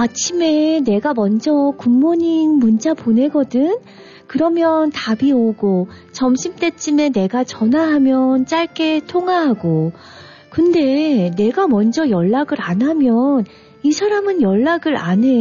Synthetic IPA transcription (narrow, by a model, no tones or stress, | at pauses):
at͡ɕʰime̞ne̞ɡamʌnd͡ʑʌkuŋmoɲinmunt͡ɕ͈apone̞ɡʌdɯn | kɯɾʌmjʌntabioɡo | t͡ɕʌmɕʰimt͈e̞t͡ɕ͈ʰime̞ne̞ɡat͡ɕʌnaɦamjʌnt͡ɕ͈aɭk͈e̞tʰoŋaɦaɡo | kɯnde̞ne̞ɡamʌnd͡ʑʌjʌɭːaɡɯɾanɦamjʌn | isʰaɾamɯnjʌɭːaɡɯɾa̰ne̞